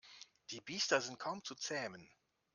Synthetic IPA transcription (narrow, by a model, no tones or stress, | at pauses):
d̥iːbiːstɐzɪnt̚kʰaʊmt͡sut͡sɛːmən